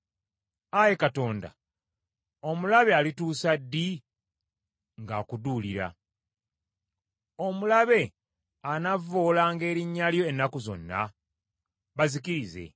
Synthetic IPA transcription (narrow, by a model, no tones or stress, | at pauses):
aje̞kato̞ːnda̰ | o̞mulaβealituːsadːi | ŋɡaːkuduːliɾa̰ | o̞mulaβe̞ | anavoːlaːŋɡe̞ːɾiɲːaljo̞enːakuzo̞̰nːa̰ | βazikiɾize̞̰